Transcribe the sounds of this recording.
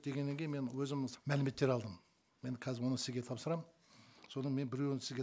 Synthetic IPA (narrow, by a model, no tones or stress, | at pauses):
d̪̥e̞ɡʲe̞nːe̞ŋkʲejnmenwɵzɪmmælɪme̞t̪ːe̞ɾɑlˠd̪əm | me̞nkʰæzɪɾwo̞nəsɪzɡʲet̪ʰɑpsəɾɑm | so̞nənme̞nbɪɾe̞wnsɪzɡʲe